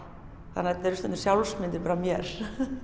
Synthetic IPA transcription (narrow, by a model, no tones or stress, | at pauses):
θanaɛt̪nɛɾʏst̪ɛmʏ̥sjawlsmɪnt̪ɪɾpaɾamjɛɾ̥